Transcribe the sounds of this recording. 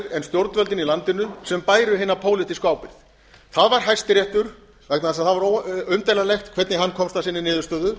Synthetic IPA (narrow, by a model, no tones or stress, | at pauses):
ɾɛnst̪jowɾt̪vœlt̪ɪnilant̪ɪnʏsɛmpaːjɾʏɦɪːnːapʰoːwlɪt̪iskaːwpɪθ | θaðvaɾ̥ɦajst̪ɪɾjɛht̪ʏɾ̥ | vɛknaðɛsaðθaðvaɾoʏmt̪ejlalɛxt̪kʰvɛɾt̪nɪɦanːkʰɔmst̪asɪnːɪnɪːðʏst̪œːðʏ